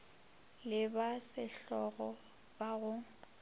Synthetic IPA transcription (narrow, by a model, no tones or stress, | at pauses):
lɪbasɪɬɔɣɔ | baɣʊ